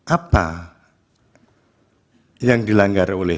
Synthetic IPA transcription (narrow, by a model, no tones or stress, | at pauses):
ʔapa | jaŋd̪ilaŋɡaɾolɛ